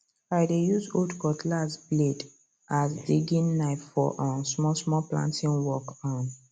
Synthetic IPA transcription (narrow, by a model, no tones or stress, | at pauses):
aɪdejuzoldkɔtlazbled | ʔasdiɡĩnːaɪffɔ̰ʔãnsmɔsmɔplã̰ntĩnwɔkɔ̃n